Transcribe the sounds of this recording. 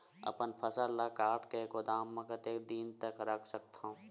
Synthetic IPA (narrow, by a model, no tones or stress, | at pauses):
ɐ̰pənpʰəsəllakaːɾʈkekʊd̪aːmːɐkət̪ed̪iːnt̪əkɾəkʰsəkt̪õ